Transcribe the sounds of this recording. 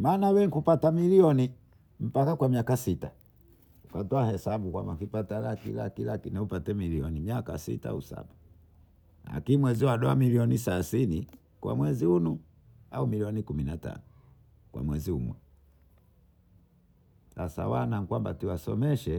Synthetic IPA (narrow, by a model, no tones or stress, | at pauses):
maːnawɛŋkupatamiliɔni | m̩pakakwamiakasita | ukatɔahɛsabukwa̰mbafipatalakḭla̰kilakinɛupatɛmiliɔnimiaka̰sḭta̰usa̰ɓa | la̰kimwɛziwaɗɔa̰miliɔnisasini | kwʔa̰mwɛziunu | a̰umiliɔnikuminata̰nu | kwa̰mwɛziṵmwɛ | sasa̰wanaŋ̩kwamba̰tiwasɔ̰mɛʃɛ